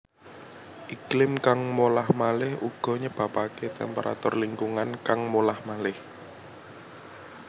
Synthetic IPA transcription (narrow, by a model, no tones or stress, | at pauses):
ʔiklɪmkaŋmolahmalɪhuɡ̥ɔ̤ɲəb̥a̤paket̪ɛ̰mpeɾʔa̰t̪ʊrliŋkuŋankaŋmolahmalɪh